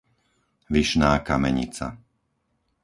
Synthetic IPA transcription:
ʋiʃnaːkamɛɲḭt͡sa̰

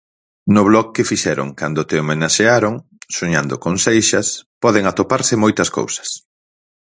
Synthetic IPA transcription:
nʊβlɔk̚ːɪfiʃɛɾo̰ŋkand̪ʊt̪eomenaʃeaɾoŋ | soɲand̪ʊ̰koŋsejʃɐspɔðeŋat̪opaɾsɪmojt̪ɐsko̰wsɐ̥s

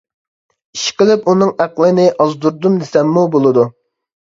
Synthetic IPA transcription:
iʃqəlɪpunɨŋæqlˠɨnɪʔɑzd̪uɾd̪umd̪ɪsɛmːubolˠɨd̪u

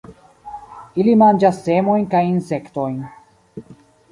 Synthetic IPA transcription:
ilimand͡ʒasːe̞mo̞jnkajinse̞kto̞jn

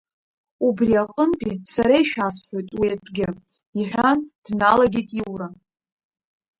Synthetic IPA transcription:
ubriaqʼənpʰʼisaɾaiʃᶣasħʷᶣojtʼwiatʷʼɡʲɪ | iħᶣʷand̥nalaɡʲitʼiwran

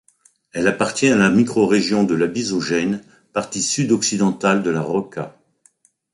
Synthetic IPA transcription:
ɛlapaʁt̪jɛ̃alamikχɔʁeʒjɔ̃d̪əlabizɔʒɛn | paʁt̪isyd̪ɔksid̪ɑ̃t̪ald̪əlaʁɔka

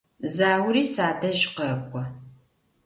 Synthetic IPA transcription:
zaːwɾiːsaːdɐɕʼqɐkʷʼɔ

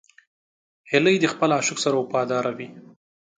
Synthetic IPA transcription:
hɪləjd̪əxpəlɑʃʊksaɾawʊpɑd̪ɑɾawi

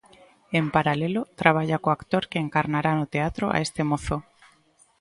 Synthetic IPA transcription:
e̞mpaɾalelot̪ɾaβ̞aʎakoakt̪oɾkeːŋkaɾnaɾanot̪eat̪ɾoʔa̰est̪emoθo

